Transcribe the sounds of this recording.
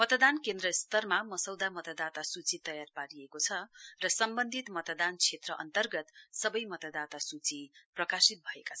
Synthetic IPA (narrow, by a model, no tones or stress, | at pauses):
mʌt̪d̪ankend̪ɾʌst̪ʌrmamʌsʌwd̪amʌt̪ad̪at̪asut͡sit̪ʌjarpaɾiekot͡sʰʌrʌsʌmbʌnd̪ʱit̪mʌt̪d̪ant͡sʰet̪rʌʔʌ̰nt̪ʌrɡʌt̪sʌbʌjmʌt̪ad̪at̪asut͡siprʌkasit̪̚bʱʌekat͡sʰʌ